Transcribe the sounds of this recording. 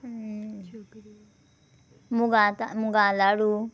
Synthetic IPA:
muɡat̪amuɡalaɽu

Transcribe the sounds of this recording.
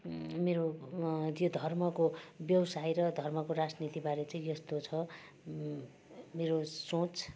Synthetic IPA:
meɾo | jod̪ʱʌrmʌkobjʌwsajɾʌd̪ʱʌrmʌkoɾad͡znit̪ibaɾet͡sʌĩjʌst̪ot͡sʰʌ | meɾosõt͡s

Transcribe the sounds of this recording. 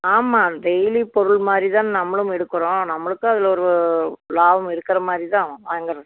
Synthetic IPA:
aːmaːd̪ɛjlipɔɾɯɭmaːd̪ɾit̪ãːnnɐmːɐɭɯmɛɽɯkːɯɾõːnɐmːɐɭɯkːɯɐðɪlɔɾɯlaːʋɐmɪɽɯkːɪɾɐmaːd̪ɾit̪ãːʋaːɐŋɡɐɾɐ

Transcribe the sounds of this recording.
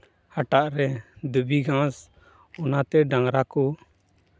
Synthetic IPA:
haʈaʔɾɛd̪əbiɡʱãs | ɔnat̪ɛɖãŋɾakɔ

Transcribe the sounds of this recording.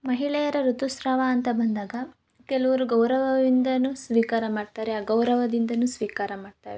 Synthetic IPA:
mɐɦiɭɛjɐɾɐɾut̪usɾɐʋaːnt̪ɐbɐnd̪aːɡɐ | keluʋuɾuɡɐwɾɐʋɐʋind̪ɐnusʋiːkaːɾɐmaːɖ̚t̪aːɾeaːɡɐwɾɐʋɐd̪ind̪ɐnuːsʋiːkaːɾɐmaːɖ̚t̪a̰ːʋe

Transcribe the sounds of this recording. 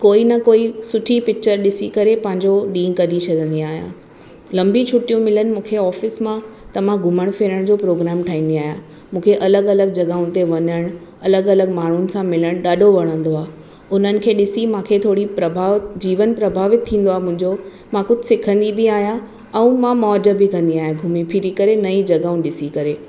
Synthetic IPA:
koːinɐkoːisʊʈʰipɪk̚t͡ɕəɾɗɪsikɐɾepɐ̃ɦɪ̃ɲd͡ʑoɗĩːkɐd̪it͡ɕʰɐd̪ʱə̃nd̪iaːɦjã̰ː | lɐ̃mbit͡ɕʰʊʈijũmɪlənɪ̆mũːkʰeɔːfɪsmãt̪ɐʋ̤ãɡʱʊməɽ̃feɾəɽ̃d͡ʑoːpɾoːɡɾaːmʈʰaːɦĩːn̆d̪iaːɦija | mũːkʰeʔɐləɡɐləɡ̚d͡ʑɐɠaːʊ̃nt̪eʋɐɲəɽ̃ | ɐləɡɐləɡmaːɳ̤ʊnɪ̆sãmɪləɽ̃ɗaːɖʱoʋɐɽ̃ə̃nd̪oaː | ʊn̤ənɪ̆kʰeːɗɪsimãːkʰet̪ʰoːɽipɾɐbʱaːʋd͡ʑiːʋənpɾɐbʱaːʋɪt̪ʰːĩːn̆d̪oaɦemʊ̃ɦɪ̃ɲd͡ʑo | mãkʊd͡ʑʱɪsɪkʰə̃nd̪ibiaːɦija | ɛ̃ũmãmɔːd͡ʑəbʱɪkɐ̃nd̪iaːɦeɡʱʊmipʰɪɾikɐɾenɐĩd͡ʑɐɡaːũɗɪsikɐɾeː

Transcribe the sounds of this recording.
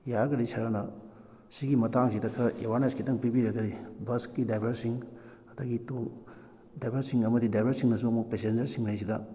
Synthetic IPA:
jaɾɡɐdisʰɐɾɐnɐ | siɡimɐtaŋsidɐkʰːɐewaɾneskʰitɐŋpibiɾɐɡɐdibɐskkidajbʱɐɾsiŋ | ɐdɐɡitoŋ | dajbʱɐɾsiŋɐmɐdidajbʱɐɾsiŋnɐs̬uɐmuk̚pesend͡ʒɐɾsiŋlajs̬idɐ

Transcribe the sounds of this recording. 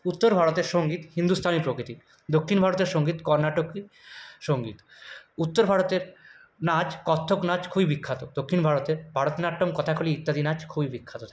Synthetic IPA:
ut̪ːoɾbʱaɽot̪eɾʃoŋɡit̪hind̪ust̪ʰanipɾokɾit̪i | d̪okʰːinbʱaɾot̪eɾʃoŋɡit̪kɔɾnaʈoki | ʃoŋɡit̪ut̪ːoɾbʱaɽot̪eɾ | nad͡ʑkɔt̪ʰːoknad͡ʑkʰubibikʰːat̪od̪okʰːinbʱaɾot̪eɾbʱaɽot̪naʈːomkɔt̪ʰakʰoliit̪ːad̪ʱinad͡ʑkʰubibikʰːat̪ot̪ʰa

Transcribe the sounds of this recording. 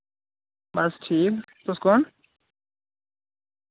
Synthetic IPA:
bɐsʈʰiːk | t̪ʊskon

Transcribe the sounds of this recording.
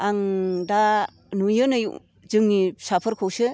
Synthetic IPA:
aŋda | nujɯnɯj | zɯŋnisapʰəɾkʰɯwsɯ

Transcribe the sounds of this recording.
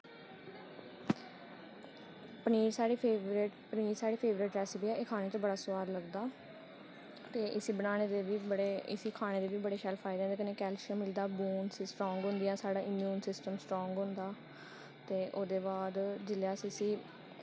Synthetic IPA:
pəniːɾsaːɽiʈpəniːɾsaːɽeːpʰeːʋɾɪʈɾɛːsbiːɛeːkʰaːñeːt͡ʃ̪õbəɽaːsʊʋaːɾləɡd̪aː | t̪eːʔɪsiːbənaːñeːd̪eːʋiːbəɽeːɪ̰siːkʰaːñeːd̪eːʋiːbəɽeːʃaːlpʰaːɪd̪̃ːd̪eːkəneːkɛːlʃəmɪld̪aːbuːnssʈɾɔ̃ːŋɡɦʊ̃nd̪ijãːsaːɽaːʔɪmjuːnsɪsʈəmsʈɾɔ̃ːŋɡɦʊ̃nd̪aː | t̪eːʔoːd̪eːbaːd̪d͡ʒɪljaːsisiː

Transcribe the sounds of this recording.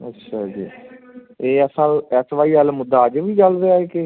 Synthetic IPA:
ə̰tːʃʰaːd͡ʒiː | eːəsəlɛsʋaːiːəlmʊd̪ːaːd͡ʒʋiːd͡ʒəld̪eaeːke

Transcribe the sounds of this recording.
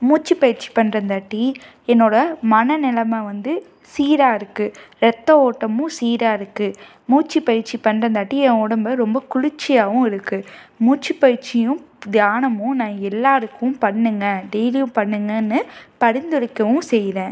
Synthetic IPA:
muːt͡ʃːipɐjɪɾt͡ʃːi̥pɐɳːɾɐnd̪aːʈːi | ɛnːoːɽɐmɐnɐnɪlɐmɐʋɐnd̪ɯ | siːɾaːɪɾɯkːɯɾɛt̪ːɐoːʈːɐmʊ̃siːɾaːɪɾɯkːɯ | muːt͡ʃːipɐjɪɾt͡ʃːipɐɳːɾɐnd̪aːʈːiɛʋɔɽɐmbɐɾɔmbɐkʊɻɪt͡ʃːɪjaːʋʊ̃ɪɾɯkːɯmuːt͡ʃːipɐɻɾt͡ʃɪjʊ̃d̪jaːnɐmʊ̃nãːɛlːaːɾɯkːɐʊ̃pɐɳːɯŋɡɐɖɛjlɪjʊ̃pɐɳːɯŋɡɐnːɯpɐɽɪnd̪ɯɽɪkːɐʋʊ̃sɛjðẽː

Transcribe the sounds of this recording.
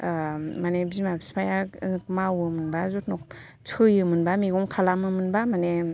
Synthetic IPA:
manebizmabispʰajamawɯmɯnbazut̚nɔk̚ | t͡sʰɯjɯmɯnbamiɡɔmkʰalamɯmɯnbamane

